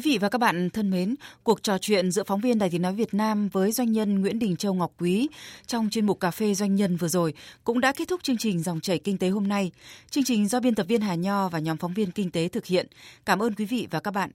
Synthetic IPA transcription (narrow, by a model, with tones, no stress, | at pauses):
wi˨˦vḭ˧˨vaː˨˩kaː˦˥k̚ɓa̰ː˧˨nt̪ʰə˧nme˨˦nku˨˩ək̚t͡ɕɔ˨˩t͡ɕwḭ˧˨ənzɨ̰˧˥əfa˨˦wŋ͡mvi˧ənɗaː˧˨jt̪i˨ə˦nɔ˨˦jvi˨˩ət̚naː˧mvəː˨˦jzwa˧jŋ̟ɲə˧nŋwḭ˧˥ənɗï˨˩ŋ̟t͡ɕə˧wŋa˨˩wk͡p̚kːwi˨˦t͡ɕɔ˧wŋ͡mt͡ɕe˧nmu˨˩kaː˧˩fe˧zwa˧jŋɲə˧nvɨ˨˩əzo˨˩jkʊ̰˧˥ŋ͡mɗa̰˧˥ke˦˥t̪̚ʰʊ˦˥k͡p̚t͡ɕɨ˧əŋt͡ɕï˨˩ŋ̟zɔ˨˩wŋ͡mt͡ɕə˧˩jkï˧ŋ̟t̪e˨˦ɦo˧mna˧jt͡ɕɨ˧əŋt͡ɕï˨˩ŋ̟zɔ˧ɓi˧nt̪ə˨˩p̚vi˧ənɦaː˨˩ɲɔ˧vaː˨˩ɲɔ˨˦mfɔ˨˦wŋ͡mvi˧ənkï˧ŋ̟t̪e˨˦t̪ʰɨ˨˩k̚hḭ˧˨ənkaː˧˩mʔəː˧nkwi˨˦vḭ˧˨vaː˨˩kaː˦˥k̚ɓa̰ː˧˨nʔ